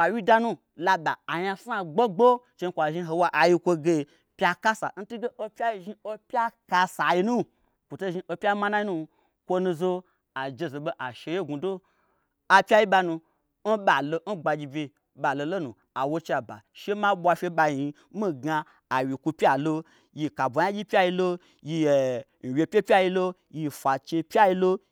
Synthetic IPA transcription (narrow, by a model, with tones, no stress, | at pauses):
a˨wi˦da˧nũ˦ | la˧ɓa˨a˨ja˧sa˧˨ɡ͡bo˦ɡ͡bo˦ | t͡ʃe˧n̩˦kʷa˨ʒi˧ɦo˧wa˧˦ʔa˨ji˧kʷo˧ɡe˧˨ | pʲa˧ka˦sa̰˨n̩˦tu˦ɡe˦ʔo˧pʲa˦i˧ʒi˧o˦pʲa˦ka˧sa˨ji˧nu˦˨ | kʷu˨to˦ʒĩ˧ʔo˧pʲa˦ma˦na˦ji˦u˦ | kʷo˧nũ˧zo˧ | a˨d͡ʒe˧zo˨ɓo˦ʔa˨ʃe˧je˦ɡu˨do˦ | a˧pʲa˦ji˦ɓa˧nũ˧ | n̩˦ɓa˨lo˧n̩˦ɡ͡ba˧d͡ʒʲi˧bʲe˧ | ɓa˨lo˧lo˦nu˨ | a˨wo˧t͡ʃa˨ba̰˨ʃe˦ma˦ɓʷa˧fʲe˧ɓa˧i˨i˧ | mi˦ɡa˧ | a˨wi˨ku˧pʲja˨lo˧ | ji˧ka˨bʷo˨˦a˦d͡ʒʲi˦pʲa˦ji˧lo˧ | ji˧˨ | n̩˨wʲe˨˧pʲe˦pʲa˦ji˧lo˦ | ji˧fʷa˨t͡ʃe˧pʲja˦ji˧lo˦